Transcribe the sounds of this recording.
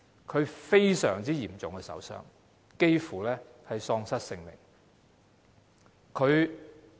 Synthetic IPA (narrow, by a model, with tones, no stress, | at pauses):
kʰɵ˨˧ɥfe˥jsœː˨˩ŋt͡siː˥jiː˨˩mt͡sʊ˨ŋkɛ˧sɐ̰˨˥wsœ̰ː˥ŋ | ke˥jfuː˨˩lɛː˥hɐ˨jsɔː˧ŋsɐ˥t̚sɪ˧ŋmɪ̰˨˩ŋ | kʰɵ˨˧ɥ